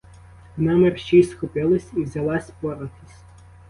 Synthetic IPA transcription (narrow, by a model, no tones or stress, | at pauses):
nɑmerʃt͡ʃisxʊpɪlˠɪsʲiwzʲɐlˠɑsʲpɔɾɔk̪ʲisʲ